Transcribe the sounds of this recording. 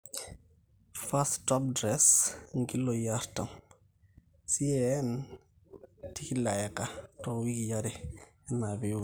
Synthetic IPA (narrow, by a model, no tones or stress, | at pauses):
fasttɔp̚dɾɛsŋɡilɔjaɾtam | siɛn | tikilajakatɔwikijaɾɛ | ɛnabi